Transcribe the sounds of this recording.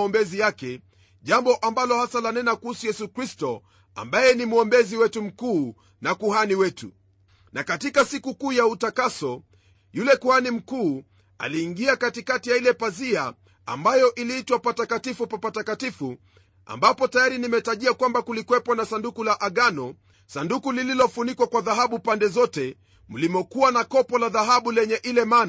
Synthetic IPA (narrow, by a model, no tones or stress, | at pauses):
ɔmbɛzijakɛ | ʄambɔʔambalɔhasalanɛnakuhusujɛsukɾistɔ | a̰mbajɛnim̩ɔmbɛziwɛtum̩kuː | nakuhaniwɛtu | nakatikasikukuːjautakasɔ | julɛkuhanim̩kuː | a̰liːŋɡiakatikatijailɛpazia | a̰mbajɔʔiliitwapatakatifupapatakatifu | a̰mbapɔtajaɾinimɛtaʄiakwambakulikwɛpwɔnasandukulaʔaɠanɔ | sandukulililɔfunikwakwaðaɦaɓupandɛzɔtɛ | m̩limɔkuwanakɔpɔlaðaɦaɓulɛɲɛʔilɛmaːna